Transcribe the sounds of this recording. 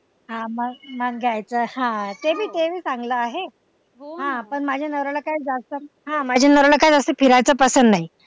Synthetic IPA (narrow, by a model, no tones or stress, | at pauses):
ɦãməɡmaŋɡajt͡səːhãt̪ebʱiːt̪eʋiːsaŋɡləaɦe | ɦoɦãpəɳmad͡ʑʱjanəʋɾɭəkajd͡zast̪ə | ɦãmad͡ʑʱanəʋɾɭəkajd͡zəsəfʰiɾajt͡səːpəsənd̪naɦi